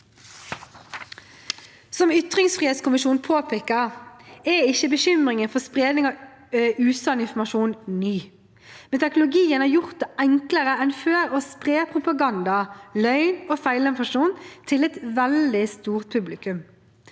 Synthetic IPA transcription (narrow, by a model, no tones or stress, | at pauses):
sɔmʏt̪ʁɪŋsfʁiːheːt̪skʊmɪʃuːnpʰoːpʰeːkəʁɛɪçəbəçʏmʁɪŋənfɔʁspʁeːd̪nɪŋɑ | ʉːsɑnɪnfɔmɑʃuːnnyː | mɛnt̪ʰɛknʊlʊɡiːənɑːʁjʊʁt̪̚d̪ɛʔɛŋkləʁəɛnføːɾoːspʁeːpʰʁʊpɑɡɑnd̪ɑlœʏnoːfæɪlɪnfɑʃuːnt̪ʰɪlɛt̪ʋɛld̪ɪst̪uːʁt̪̚pʰʉblɪkʉm